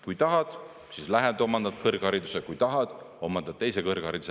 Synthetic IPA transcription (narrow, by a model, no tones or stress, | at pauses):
kujt̪ɑɦɑd̪̥ | sislæɦed̪o̞mɑnd̪̥ɑt̪kɤrɡ̥ɑɾid̪usekujt̪ɑɦɑd̪̥ | o̞mɑnd̪ɑt̪ːe̞js̬ekɤrɡ̥hɑɾid̪use